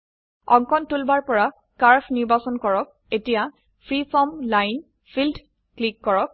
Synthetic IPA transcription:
ɔŋkɔntulbaɹpɔɹa | kaɹpʰniɹbasɔnkɔɹɔk̚ | etija | pʰɹipʰɔmlajn | pʰild | klikːɔɹɔk̚

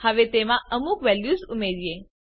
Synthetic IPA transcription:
həʋet̪emãəmukʋɛljuzumeɾije

